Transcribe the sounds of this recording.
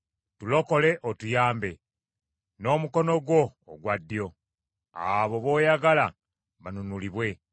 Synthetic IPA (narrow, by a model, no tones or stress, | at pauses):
tulo̞ko̞le̞ʔotujaːmbe̞ | no̞ːmuko̞no̞ɡwo̞ːɡwadːijo̞ | a̰βo̞βo̞jaɡala | βanunuliβwe̞